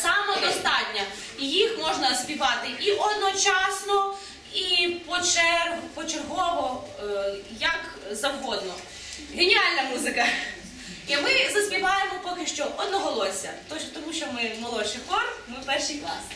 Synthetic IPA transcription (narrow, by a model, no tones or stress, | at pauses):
sɑmɔd̪ɔst̪ɑtʲnʲɐ | ijixmɔʒnɐsʲpʲiʋɑt̪ɪiʔɔd̪nɔt͡ʃɑsnɔ | ipɔt͡ʃɛpɔt͡ʃerɦɔʋɔ | jɐk | zɐwɦɔd̪nɔ | ɦenʲiɑlʲnɐmuzɪkɐ | imɪzɐsʲpʲiʋɑjemɔpɔkɪʃt͡ʃɔʔɔd̪nɔɦɔlˠɔsʲɐ̰t̪ɔʃt̪ɔmuʃt͡ʃɔmɪmɔlˠɔʃɪkɔrmɪpɛrʃijklˠɑ̰s